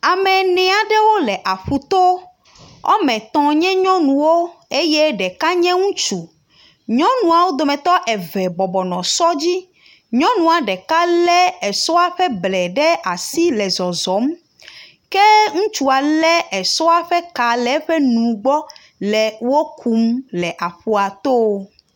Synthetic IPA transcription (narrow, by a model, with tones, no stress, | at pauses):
a˨mɛ̃˨nɛ̃˨a˨ɖɛ˦wo˦lɛ˨ʔa˨ɸu˨t̪o˦ | ɔ̰˦mɛ̃˨t̪ɔ̃˨ɲɛ̃˦ɲɔ̃˦nũ˨wo˦e˦jɛ˦ɖɛ˨ka˦ɲɛ̃˦ŋũ˦t͡ʃu˨ | ɲɔ̃˦nũ˨a˨wo˦d̪o˨mɛ̃˨t̪ɔ˦ʔɛ˨vɛ˨bɔ˨bɔ˨nɔ̃˨sɔ˦d͡ʑi˦ | ɲɔ̃˦nũ˨a˨ɖɛ˨ka˦lɛ˦ɛ˨sɔ˦a˨ɸɛ˦blɛ˨ɖɛ˦ʔa˨si˦lɛ˨zɔ˨zɔ˨˦m | kɛ˦ŋũ˦t͡ʃu˦a˨lɛ˦ɛ˨sɔ˦a˨ɸɛ˦ka˨lɛ˨˦ɸɛ˦nũ˨ɡ͡bɔ˦ | lɛ˨wo˦kʰu˦mlɛ˨ʔa˨ɸu˨a˨t̪o˦